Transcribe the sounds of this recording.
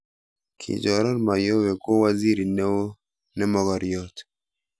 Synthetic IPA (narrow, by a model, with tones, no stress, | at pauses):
kʰḭ˨d͡ʒɔ˨ɾɔ˦nma˨jo˦we˨ko˦wa˦zi˦ɾi˨ne˦wo˦ | nɛ˦mɔ˨ɡɔ˨ɾjɔ˦t